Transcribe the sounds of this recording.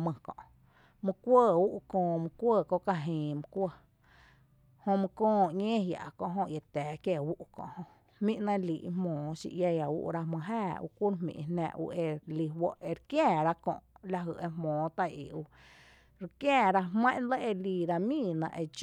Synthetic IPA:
mə̃˧kɔ̰̃˨ʔ | mɨ̃˧kʷə˦˨u˦ʔkõː˧mɨ̃˧kʷəː˦˧˨ko˦˧ka˧ɦĩː˨mɨ̃˧kʷə˦˧ | hõ˧mɨ̃˧kɔ̃ː˧˨ɲẽː˦ɦja̰˨ʔkõ˧ʔɦõ˧ʔje˨t̪ɛː˨kje˧˨wu˦ʔkõ̰˧ʔhõ˧ | mĩ˦ʔnã˧li˨ʔhmõː˨ʃḭ˧ʔja˧ja˨ṵ˦ʔɾa˧mə̃˧ɦaː˦˧˨ṵ˧kʷu˦ɾɦmḭ̃˨˧nã̰ː˧ʔṵ˧ʔe˧li˧˨wə˦ʔe˧ɾkjɛ̃ː˦˨ɾa˦kõ̰˧ʔla˧ɦə˧˨e˧mõː˨˦t̪a˧jḭ˨u˧ | ɾkjɛ̃ː˦˨ɾa˧ɦmã˦ʔnlə˦ʔe˧li˧˨ɾa˧mĩː˦˧˨nã̰˧ʔe˧d͡ʒ

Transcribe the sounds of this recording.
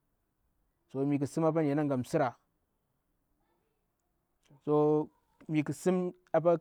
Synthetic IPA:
so˨mi˨ki˨si˦ma˦p̬a˦n˨a˨na˦ŋɡa˨m˨si˦ɾa˨ | so˦ | mi˨ki˨si˦m | a˨p̬a˦

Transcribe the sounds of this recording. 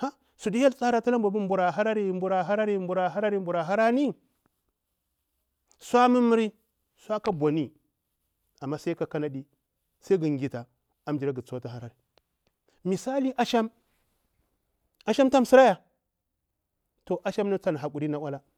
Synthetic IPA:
ha˦ | su˨di˦ja˦lt͡sa˦ɾa˦ta˦la˦mba˨bu˦mbu˨ɾa˨ɦa˦ɾa˦ɾi˦˨mbu˨ɾa˨ɦa˦ɾa˦ɾi˦mbu˨ɾa˨ɦa˦ɾa˦ɾi˦mbu˨ɾa˨ɦa˦ɾa˦ni˦ | sʷa˦mi˦mi˦ɾi˦ | sʷa˦ka˦bʷa˨ni˦ | a˨mːa˦sa˦ka˨ka˦na˦ɗi˦ | sa˦ɡi˨ŋ˨ɡʲi˨ta˨ | a˨˦md͡ʒi˨ɾa˦ɡi˨t͡su˦wa˦ta˨ɦa˦ɾa˨ɾi˨ | mi˨sa˦li˦ʔa˦ʃa˦m | a˨˦ʃa˦mta˦m˨si˦ɾa˦ja˨ | to˨ʔa˦ʃa˦mna˦t͡sa˦n˨ɦa˨k̬u˨ɾi˦na˨wa˦la˦

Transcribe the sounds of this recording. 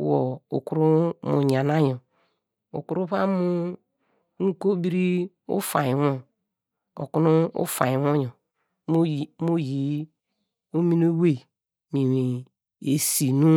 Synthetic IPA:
wo˨u˨ku˦ɾu˦mu˨ɲ˨a˨na˦ɲo˨ | ṵ˨ku˦ɾu˦βa˦mu˦ | ŋ̩˦ko˦bi˦ɾi˦ | ṵ˦fa˨ji˨wo˦ | o̰˨ku˦nu˦ṵ˦fa˨jwo˦ɲo˨˦˨ | mo˦ji˨ | o˦mi˦no˦we˦˨ | mi˨wi˨ | e˨si˨nu˦

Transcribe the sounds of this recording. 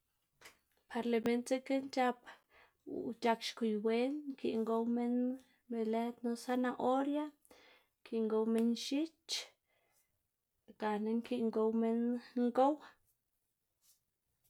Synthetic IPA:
pʰa˨˧ɾle˨me˧nt͡se˦ke˦nt͡ʃa˦p | t͡ʃa˧kʃku˨jwe˦nŋki˧˨ʔŋɡo˦wme˦n | be˨le˦t̪no˧sa˦na˧ʔo˦ɾja˦ | ŋkʰi˨ŋɡo˧wme˦nʃi˦t͡ʃ | ɡ̥a˨ne˦ŋki˦ʔŋɡo˧wme˦nŋɡo˦w

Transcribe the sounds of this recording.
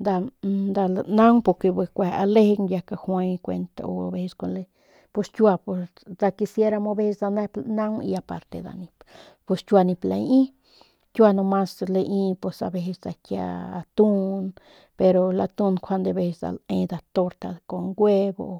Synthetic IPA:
d̪a˧d̪a˧lna˦ŋpo˧ɾke˧bwe˧kʷe˨a̰˧le˦ɡnja˧ka˧xwe˧jkʷḛ˧nt̪a̰˨o̰˨abe˧sko˧nle˧ | po˧st͡ʃʲwa˧po˧ | d̪a˧ki˧sje˦ɾa˧mo˧be˦sd̪a˧ne˦pna˦ŋḭ˧a˧pa˧ɾt̪ḛ˧d̪a̰˨ni˧ppo˧st͡ʃʲwa˧ni˧pla̰˧ji˦ | t͡ʃʲwa˧no˧ma˦sle˧ʔi˧pwe˧sa̰˧be˧sd̪a˧kja̰˧a̰˧t̪u˦n | pe˧ɾo˧la˧t̪u˧nkʰʷa˧nd̪e˧be˧sd̪a̰˨le˧d̪a˨t̪o˧ɾt̪a˧ko˧ŋɡwe˦bo˧

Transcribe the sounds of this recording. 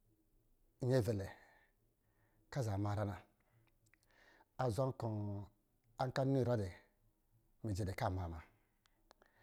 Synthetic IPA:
ɲe˦˨ve˨le˨ | ka˦˨za˨ma˨ɾa˦na˨ | a˨za˦ŋ˦kɔ˨ | a˦ŋ˦ka˦u˦˨ɾɔ˦de˨ | me˨d͡ʒe˨de˨ka˦˨ma˨ma˨

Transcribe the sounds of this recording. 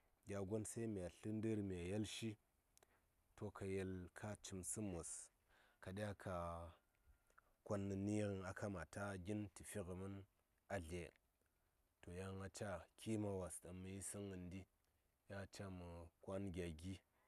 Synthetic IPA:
ɡʲa˨ɡo˦nsa˦i˦mi˨a˨ɬɨ˦n˦də˦ɾmi˨a˨je˦lʃi˦ | to˦ka˨je˦lkʰa˦t͡ʃi˨msɨ˦mo˨s | ka˨ɗʲa˦kʰa˨ | kʷa˦nːə˨ni˦ɾi˨na˨ka˦ma˨ta˦ɡʲi˦nti˨fi˦ɣə˨mə˦n | a˨ɮe˨ | to˨ja˦ŋa˨t͡ʃa˦kʲʰi˦ma˨wa˨sɗə˨mːə˨ji˦si˦ŋə˨ndi˦ | ja˦˨t͡ʃa˦mə˨kʷa˦nɡʲa˨ɡʲi˦

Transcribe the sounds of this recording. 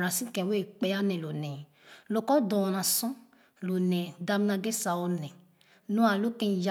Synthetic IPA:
ɾã˨sĩ˦kɛ̃˧˨we˦˨k͡pɛ˧˦a˦nɛ̃˨lo˨nɛ̃˨ | lo˧kɔ˦dɔ̃˨˧nã˨sɔ̃˦ | lo˨nɛ̃˨da˧m˦nã˧ɡe˦sa˨˧ɔ˧nɛ̃˨ | nũ˦a˧˨lo˦kɛ̃˧˨ja˦

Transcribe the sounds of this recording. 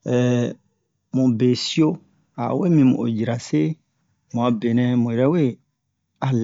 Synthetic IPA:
ɛ˨ | mũ˨be˨si˦o˦ | a̰˨we˦mĩ˧mṵ̃˨ʔo̰˨ji˨ɾa˨se˦ | mũ˨ã˨be˨nɛ̃˨mũ˨ɛ˨ɾɛ˦we˦˨ | a˨l

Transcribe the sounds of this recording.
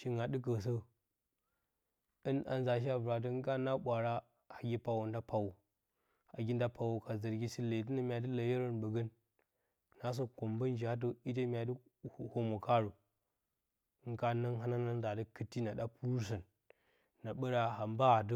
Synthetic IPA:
ʃi˦ŋa˨ɗɨ˦k̬ə˨s̬ə˦ | ɨ˦na̰˨nza˨ʃ̬i˦a˦bɾa˨t̬ə˦ŋ˦ka˦na˦ɓʷa˨ɾa˦ | ha˨ɡʲi˦pa˨wu˨nda˦pa˨wo˨ | ha˨ɡʲi˦n˦da˦pʰa˨wo˨ka˨zə˨ɾɡʲi˦si˦le˨t̬ɨ˦na˦˨mʲa˨dɨ˦lə˨jə˦ɾə˦nbə˨ɡə˦n | na˨˦s̬o˦ko˨mbə˦n˦d͡ʒa˦t̬ə˦i˦t̬e˦mʲ˦a˨də˦˨ | ho˨mo˨ka˦ɾu˨˦ | ŋ˦ka˦na˦ŋɦa˦na˦na˦n˦za˨də˦kɨ˦tːi˦na˨ɗa˦pu˦ɾs̬ə˨nː | a˨ɓə˦ɾa˦ha˨mba˦˨d̬ə˦

